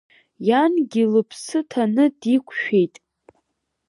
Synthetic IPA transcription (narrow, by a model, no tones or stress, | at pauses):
janɡʲilɨpʰsɨtʰanɨdikʷʰʃᶣe̞jtʼ